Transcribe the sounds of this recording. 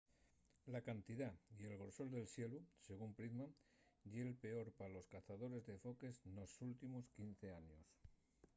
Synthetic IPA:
lakant̪ið̞aie̞lɣo̞ɾso̞ld̪e̞lsje̞luse̞ɣ̞umpɾizmaʝelpe̞o̞ɾpalo̞skaθaðo̞ɾe̞zðe̞fo̞ke̞zno̞sult̪imo̞skin̟θe̞aɲos

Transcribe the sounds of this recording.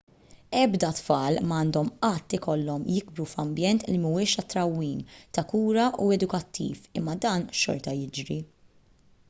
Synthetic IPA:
ɛbd̪ɐt̪fɐːlmɐːnd̪ɔmɐt̪ːɪkɔlːɔmjɪɡ̚bɾufɐmbjɛnt̪limuɪːʃɐt̪ːɾɐwːiːmt̪ɐkuːɾɐʔuɛd̪ʊkɐt̪ːḭːfɪmːɐd̪ɐːnʃɔ̰ɾt̪ɐjɪd͡ʒɾi

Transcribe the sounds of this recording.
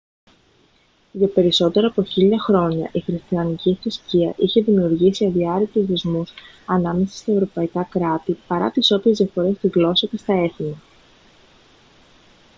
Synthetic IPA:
ʝɐpe̞ɾiso̞t̪e̞ɾɐːpo̞çiʎɐxɾo̞ɲɐ̰ʔixɾist̪iɐniciθɾisciɐʔiçe̞ðimiuɾʝisiɐðiɐɾik̚t̪uzðezmus | ɐnɐme̞sɐ̥st̪ɐe̞vɾo̞pɐikɐkɾɐt̪ipɐɾɐ̰t̪iso̞pɾezðijɐfo̞ɾe̞st̪iɣlo̞sɐce̞st̪ɐe̞θinɐ

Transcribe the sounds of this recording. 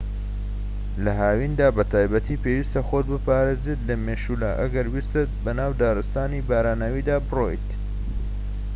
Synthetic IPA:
lɐɦaːwind̪aːbɐt̪ʰaːjbɐt̪ʰiːpewiːst̪ɐxoːt̪̚bɨpaːɾeːzet̪lɐmeːʃulaːʔɐɡɐɾwist̪ɨt̪̚bɐnaːwd̪aːɾɨst̪aːnibaːɾaːnɐwiːd̪aːbɨro̰jt̪

